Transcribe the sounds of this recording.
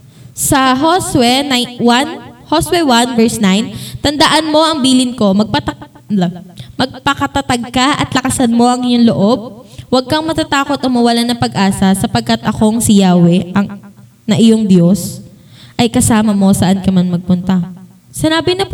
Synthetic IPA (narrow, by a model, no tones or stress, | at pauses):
sɐɦoswɛnajwanhoswɛwanvɛɹsnajnt̪ɐnd̪ɐʔanmo̞ʔɐŋbiːlɪnko̞mɐɡ̚pɐt̪ | mɐɡ̚pɐkɐt̪ɐt̪ɐɡ̚kaʔɐ̰t̪lɐkɐsɐnmo̞ʔɐŋɪjoŋloʔob̚wɐɡ̚kɐŋmɐt̪at̪aːko̞t̪ɐŋmɐwɐlanɐpɐɡʔaːsɐsɐpɐɡ̚kɐt̪ʔɐko̞ŋsɪjaːwɛʔɐŋ | nɐʔɪjoŋd̪jo̞sʔɐjkɐsaːmɐmo̞sɐʔankɐmanmɐɡ̚pʊnt̪ɐ | sɪnaːbɪnɐp